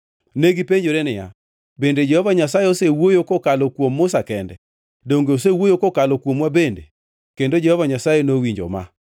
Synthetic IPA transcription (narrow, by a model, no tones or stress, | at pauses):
neɡipeɲd͡ʒoɾenɪja̰ | bended͡ʒɛhɔvaɲasajeosewojokokalokwomːʊsakɛndɛ̰ | doŋɡeosewojokokalokwomwabendḛ | kendod͡ʒɛhɔvaɲasajenowiɲd͡ʒo̰ma̰